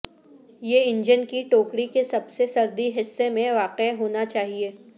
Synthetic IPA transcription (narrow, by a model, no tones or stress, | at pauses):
jeɪ̃ɲd͡ʒənkiʈoːkɽikesɐbsesɐɾd̪iɦɪsːemẽʋaːqeɦoːnat͡ʃaːɦieː